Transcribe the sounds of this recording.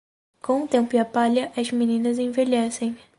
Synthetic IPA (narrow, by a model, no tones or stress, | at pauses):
kõʊ̃t̪ẽmpʊɪapaʎɐʔɐzminĩnɐzẽveʎɛsẽj̃